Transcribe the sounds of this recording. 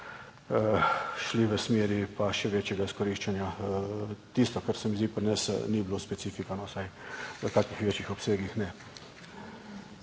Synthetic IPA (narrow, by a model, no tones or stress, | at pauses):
əʃliʋəsmeːɾipaʃɛʋeːt͡ʃjɛɡaiskɔɾiʃt͡ʃɛnja | t̪ist̪ɔkəɾsɛmizd̪ipɾinɛsniblospɛt̪sifikanɔsajʋəkaːkixʋeːt͡ʃjixɔpseːɡixnɛ